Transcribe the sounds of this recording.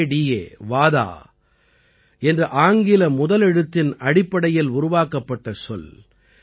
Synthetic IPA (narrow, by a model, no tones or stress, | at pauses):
ɖiːḛːʋaːða̰ː | ɛndrɐʔaːŋɡɪlɐmʊðɐlɛɽɯt̪ːɪnɐɽɪpːɐɽɐjɪlʊɾʊʋaːkɐpːɐʈːɐsɔl